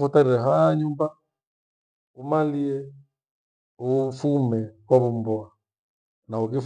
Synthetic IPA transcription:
fɔtaɾiɾɛɦajaɲumba | umaliɛ | ufumɛkwaβumbɔa | naukif

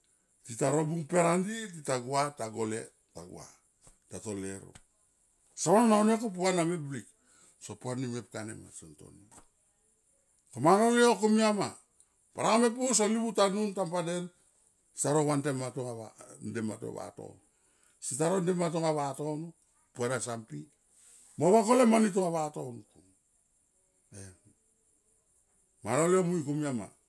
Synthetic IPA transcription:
titaɾo̞buŋpe̞ɾandititaɡuataɡo̞le̞̰ | taɡṵa̰ | tato̞leɾo̰ | saɾononaonekop̬uanameblik | sopuanimep̚kanḛma̰sonto̞̰ni | komanoliokomiama | paɾame̞p̬us̬olibutanuntampaden | saɾowantematuŋaβandema̰to̰βa̰to̰n | sitaɾo̞ndemat̬oŋaβato̞nu | pueɾasampi | moβako̞lemanit̬uŋaβatonuku | e | manoliomujkumiama̰

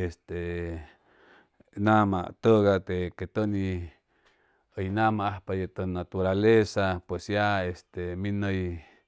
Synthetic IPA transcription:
est̪e | nãmã̰t̪əɣat̪eket̪ənĩ | əjnãmãahpajet̪ənat̪uɾalesapwesjaest̪emĩnəj

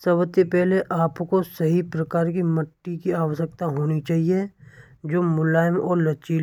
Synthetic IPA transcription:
sɐbət̪ːepɛɦleʔaːpkosɐɦipɾəkaːɾkimɐʈːikiaːʋəʃəkt̪aɦoːnit͡ʃaːɦie | d͡ʒoːmʊlaːjəmɔːɾlɐt͡ʃiːl

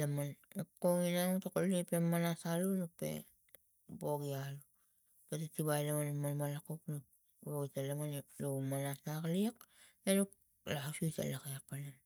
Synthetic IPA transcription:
amanekːoŋinanotokolepemːanasalunupe̞̰ | boɡialu | petatibajlamanimːanmalakoknu | boɡitalamanlomanasakliak | enuk̚ | lahasuita̰lakeapanam

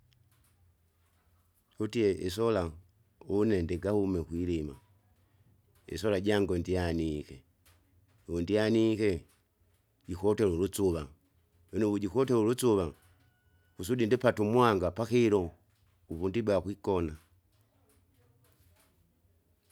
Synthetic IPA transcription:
hutiɛʔisɔla | unɛndɛɡahumɛkwilima̰ | ḭsɔlaɟaŋɡɔndianikɛ̰ | undianikɛ | ɟikɔtɛlulut͡suβa | wɛnuβuɟikɔtɛlulut͡suβa | kusudindipatumwaŋɡapaxiɾɔ | uβundibakwikɔna

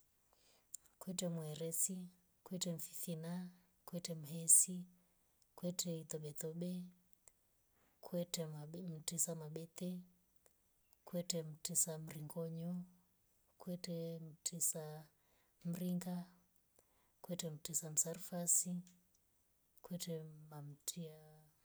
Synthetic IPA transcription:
kwɛtɛmwɛɾɛsi | kwɛtɛm̩fi̥θina | kwɛtɛm̩ɦɛsi | kwɛtʰɛit̪ɔɓɛt̪ɔɓɛ | kʰwɛtɛm̩tisamaɓɛt̪ɛ | kwɛtɛm̩tisam̩ɾiŋɡɔɲɔ | kwɛtɛm̩tʰisa | m̩ɾiŋɡa | kwɛtɛm̩tisam̩saɾfasi | kwɛtɛmam̩tʰia

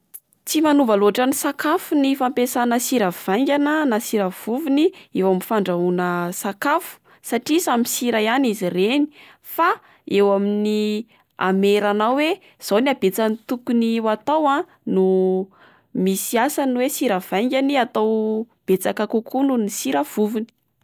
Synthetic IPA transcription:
t͡simanuvaloaʈ͡ʂanisakafunifampesanəsiɾəv̥ajŋɡʲanənasiɾəv̥uvuniewaminfaɳɖ͡ʐaunəsakafu̥ | saʈ͡ʂisamisiɾaanizireni̥ | fa | ewamini | a̰meɾanawe | z̥oniabet͡sanit̪ukuniwat̪awã | nu | misiasanwesiɾav̥ajŋɡʲaniat̪aw | b̥et͡sakakukununisiɾəv̥uvini̥

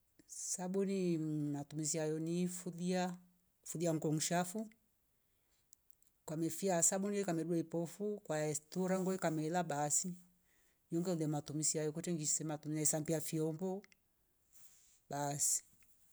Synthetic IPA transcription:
sabunimatumis̬iajɔnifuðia | fuðiaŋ̩kɔŋ̩ʃafu | kwamɛfiasabunijɔikamɛduɛipɔfukwaɛstuɾaŋɡɔikamɛlabasi | jɔŋɡɛulɛmatumisiajɔkutɛŋɡisɛmatuminaɛsampiafiɔmbɔ | basi̥

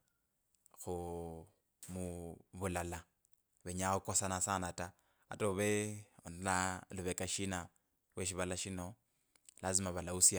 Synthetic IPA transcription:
xu | muβulala | βeɲaukosanasanata | a̰toβelaluβekaʃina | lweʃiβalaʃino | lazimaβalausja

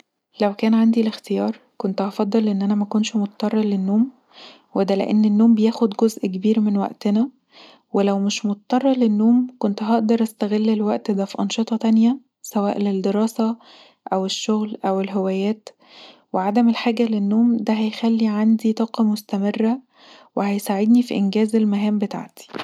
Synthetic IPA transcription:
læwkæːnʕand̪ilext̪ejɑːɾˤkont̪ʔɑfɑd̪ˤːɑlʔenːʔænæmækonʃmot̪ɑt̪ːˤɑrˤːɑlenːoːm | wed̪ælḛʔenːenːoːmbejæːxod̪ɡozʔkebiːɾmenwæ̰ʔt̪enæ | welæwmɪʃmot̪ɑt̪ˤːɑrˤːɑlenːoːmkont̪ɦɑʔd̪ɑɾˤʔæst̪æɣelːelwæʔt̪d̪æfiʔɑnʃet̪ˤɑt̪ænjæ | sæwæːʔleld̪eɾˤɑːsæ | ʔæweʃːoɣlʔæwelɦewæːjæːt̪ | weʕad̪æmelħaːɡælenːoːmd̪æɦæjxælːiʕand̪it̪ˤɑːqɑmost̪æmerːæ | wehæjsaʕed̪nifiʔenɡæːzelmæɦæːmbet̪a̰ʕt̪i̥

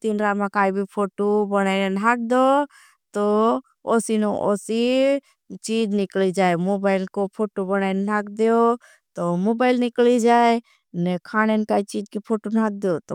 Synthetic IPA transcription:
t̪inɾamãkaːibʱipʰoːʈobənaːɪnnɦak̚d̪o | t̪o | oːsinoʔosi | t͡ʃid͡ʒnɪklid͡ʒaːemobaːɪlkopʰoːʈobənaɪnnaːkd̪eo | t̪omoːbaːɪlnɪklid͡ʒaːe | nekʰaːñenkaːit͡ʃiːd͡ʒkipʰoːʈonak̚d̪ot̪o

